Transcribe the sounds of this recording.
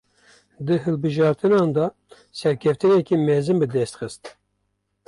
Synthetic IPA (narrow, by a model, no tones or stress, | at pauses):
d̪ɨɦɨlbɨʒɑːɾt̪ɨnɑːnd̪ɑ | sɛɾkʰɛft̪ɨnɛkimɛzɨnbɨd̪ɛst̪xɨst̪